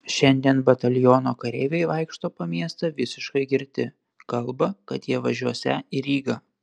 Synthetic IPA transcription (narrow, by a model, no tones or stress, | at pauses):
ʃʲɛnʲd̪ʲiɛnbɐt̪ɐlʲɪjoːnoːkɐɾʲeɪʋʲɛɪʋɐɪkʃt̪oːpɐmʲiɛst̪ɐʋʲɪsʲɪʃkɐɪɡʲɪɾʲt̪ʲɪ | kɐlˠbɐkɐt̪jiɛʋɐʒʲuɔsʲɛɪɾʲiːɡɐ